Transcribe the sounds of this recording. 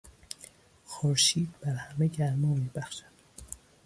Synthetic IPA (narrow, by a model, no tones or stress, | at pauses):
xoɾʃiːd̪̚b̥æɾhæmeɟæɾmɔːmiːbæxʃæ̥d̪̥